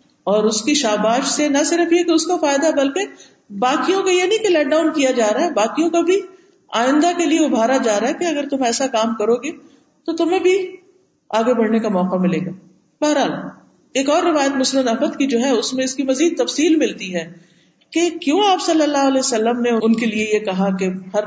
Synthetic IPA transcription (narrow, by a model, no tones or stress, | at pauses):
ɔːɾʊskiʃaːbaːʃsenɐsɪɾəfjekeʊskafaːjd̪aɛbɐlke | baːkijõkajenɐɦĩkelɛːk̚ɖaːʊnkijad͡ʒaːɾaɦɛbaːkijõkabʱi | aːɪ̃nd̪akelieʊbʱaːɾad͡ʒaːɾaɦɛkeɐɡəɾt̪ʊmɛːsakaːmkɐɾoːɡe | t̪ot̪ʊmẽbʱi | aːɡebɐɽnekamɔːqamɪleːɡaː | bɐɦɾɦaːl | eːkɔːɾːɪʋaːjət̪mʊsnəd̪ɐɦmət̪kid͡ʒoːɦɛʊsmẽɪskimɐziːd̪̚t̪ɐfsiːlmɪlt̪iɦɛː | kekjõːaːpsɐlːəlːaːɦɐlɛːsɐlːəmneʊʊnkeliejekɐɦakehɐɾ